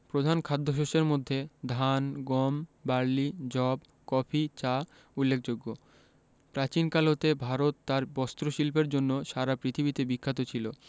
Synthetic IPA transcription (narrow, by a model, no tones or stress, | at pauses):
pɾod̪ʱankʰad̪ʱːoʃ̬oʃeɾmod̪ʱːed̪ʱanɡɔmbaɾlid͡ʑɔb | kɔpʰit͡ɕa | ulːekʰd͡ʑoɡːo | pɾat͡ɕinkalɦot̪ebʱaɾot̪ːaɾbɔst̪ɾoʃilp̬eɾd͡ʑonːoʃaɾapɾit̪ʰibit̪ebikʰːat̪ot͡ɕʰilo